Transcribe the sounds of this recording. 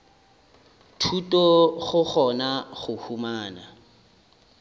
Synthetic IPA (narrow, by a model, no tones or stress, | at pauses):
tʰutʼɔɣʊχɔnaχʊhumaːna̰